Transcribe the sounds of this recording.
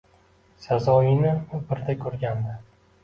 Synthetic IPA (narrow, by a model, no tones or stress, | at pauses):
sazɒɪnɪʊbɪɾd̪akʲʰɵɾɡʲand̪ɪ